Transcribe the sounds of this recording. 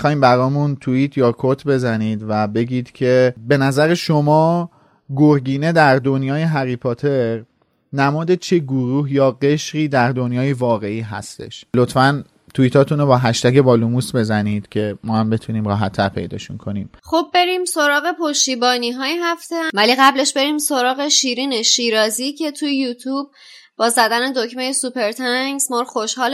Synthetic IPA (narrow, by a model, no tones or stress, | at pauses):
xɒːiːmbæɾɒːmunt̪ʰuiːt̪ʰjɒːkʰot̪ʰbe̞zæniːd̪væbe̞ɟiːd̪̥cʰe̞be̞næzæɾeʃo̞mɒː | ɡoɾɡiːne̞d̪æɾd̪o̞njɒːjeɦæɣiːpʰot̪ʰe̞ɾ | næmɒːd̪et͡ʃʰeɡoɾuːhjɒːɡe̞ʃɾiːd̪æɾd̪o̞njɒːjevɒːɣe̞iːɦæ̰st̪e̞̰ʃlot̪fæn | t̪ʰuit̪ʰɒːt̪ʰunobɒːɦæʃt̪ækebɒːlumuːsbe̞zæniːd̪̥cʰe̞mɒːhæmbe̞t̪ʰuniːmɾɒːɦæt̪ʰːæɾpʰe̞̰jd̪ɒ̰ːʃṵnkʰo̞niːmχob̚ːe̞ɾiːmso̞ɾɒːɣe̞pʰo̞ʃt̪iːbɒːniɦɒːjeɦæft̪ʰevæliɣæble̞ʃbe̞ɾiːmso̞ɾɒːɣe̞ʃiːɾiːneʃiːɾɒːziːcʰe̞t̪ʰujejut̪ʰuːb̚ | bɒːzæd̪æne̞d̪ocme̞jesupʰe̞ɾt̪ʰæŋɡz̥mɒɾxo̞ʃhɒːl